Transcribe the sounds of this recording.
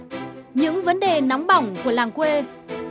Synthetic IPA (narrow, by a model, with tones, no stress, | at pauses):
ɲɨ̰˧˥ŋvə˨˦nɗe˨˩na˨˦wŋ͡mɓa˧˩wŋ͡mku˧˩əlaː˨˩ŋkwe˧